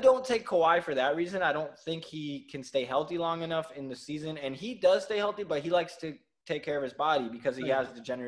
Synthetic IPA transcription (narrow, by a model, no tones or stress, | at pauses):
dõʊ̃ntʰeɪkʰːoʊaɪfə˞ðɨt̚ɹizɨ̃naɪɾõʊ̃nθɪ̃ŋkhikʰɨ̃nsteɪɦɛlˠθilɔ̃ŋɨnʌfɨ̃nðɨsizɨ̃nɨ̃nidʌz̥steɪhɛlˠθibʌt̚ɦilaɪkstʰɨ | tʰeɪkʰːɛɹʌv̥ɨzbɑɾibɨkʰʌz̥iəzðɨd͡ʒɛnə